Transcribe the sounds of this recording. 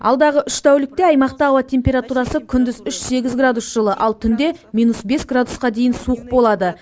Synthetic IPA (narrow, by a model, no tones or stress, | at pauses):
ɑ̰lˠd̪ɑʁəʔʏʃt̪ʰæwlɪk̚t̪e̞ɑjmɑqt̪ɑːwɑt̪ʲʰe̞mpʲe̞ɾat̪uɾɑsəkʲʰʏnd̪ɪzʏʃse̞ɡʲɪzɡrad̪usʒ̥əlˠəʔɑlˠt̪ʰʏnd̪e̞mijnusbe̞sɡrad̪usqɑd̪e̞jɪnsuəq̚bo̞lˠɑd̪ə